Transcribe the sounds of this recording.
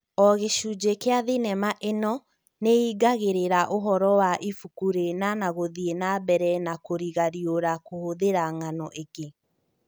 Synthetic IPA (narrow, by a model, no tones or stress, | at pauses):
ɔɣeʃud͡ʒekeaðinɛmaʔenɔ | neiɡaɣeɾeɾaʔoɦɔɾɔwaʔifukuɾenanaɣoðienabɛɾɛnakoɾiɣaɾioɾakohoðeɾaŋanɔʔeɡe